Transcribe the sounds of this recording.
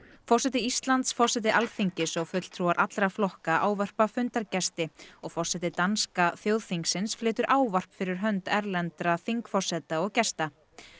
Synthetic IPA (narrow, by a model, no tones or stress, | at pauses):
fɔr̥sɛːt̪ɪist̪lant̪sfɔr̥sɛːt̪ɪʔalθiɲcɪsɔɣfʏt̪l̥t̪ʰɾuaɾʔat̪lɾaflɔhkaʔaːwvar̥pafʏnt̪aɾcɛst̪ɪɔɣfɔr̥sɛt̪ɪt̪anskaθjowðθiŋksɪnsflɪːt̪ʏɾʔaːwvar̥pfɪɾɪɾ̥ɦœnt̪ɛɾlɛnt̪ɾaθiŋkfɔr̥sɛt̪aɔɣcɛst̪a